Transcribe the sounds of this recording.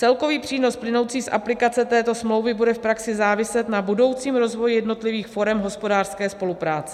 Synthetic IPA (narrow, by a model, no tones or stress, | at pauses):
t͡sɛlko̞viːpr̥iːno̞splɪno̞wt͡siːsʔa̰plɪkat͡sɛt̪ɛːt̪o̞smlo̞wvɪbudɛfpɾaksɪzaːvɪsɛt̪nabudo̞wt͡siːmɾo̞zvo̞jjɛdno̞t̪lɪviːxfo̞ɾɛmɦo̞spo̞daːr̥skɛːspo̞lupɾaːt͡sɛ